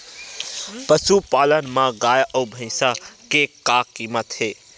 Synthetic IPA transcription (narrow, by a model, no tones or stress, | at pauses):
pəsupaːlənmãɡaːjʔəwbʱə̃ɪ̃sakekaːkiːmət̪heː